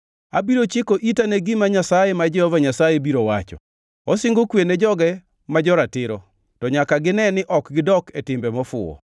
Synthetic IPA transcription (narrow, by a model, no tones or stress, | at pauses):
abiɾot͡ʃɪkoʔitaneɡɪmaɲasajemad͡ʒɛhɔvaɲasajebiɾowat͡ʃɔ̰ | ɔsɪŋɡokwened͡ʒɔɡɛ | mad͡ʒɔɾatɪɾɔ | tɔɲakaɡɪnɛnɪʔɔkɡɪdɔketɪmbɛmɔfʊ̰ɔ̰